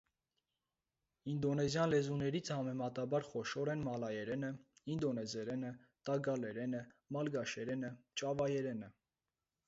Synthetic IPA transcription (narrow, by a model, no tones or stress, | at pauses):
ind̪ɔnɛzjɑnlɛzunɛɾit͡sʰhɑmɛmɑt̪ɑbɑɾχɔʃɔɾɛnmɑlɑjɛɾɛnəind̪ɔnɛzɛɾɛnə | t̪ɑɡɑlɛɾɛnəmɑlɡɑʃɛɾɛnət͡ʃɑvɑjɛɾɛnə